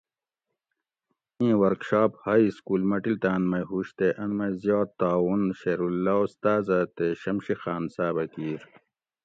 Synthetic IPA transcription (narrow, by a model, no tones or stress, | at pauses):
ĩːwɐɾkɕaːphaːiskuːlmɐʈilt̪aːnmɐjɦuɕt̪eʔɐnmɐjzjɑːt̪ːaːwunɕeːɾulːaust̪aːzat̪eɕɐmɕixaːnsaːbɐkiːɾ